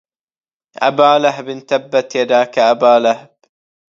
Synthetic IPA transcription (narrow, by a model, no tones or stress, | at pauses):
ʔa̰baːlaɦbɪnt̪abːat̪jad̪aːkaʔabaːlahb̥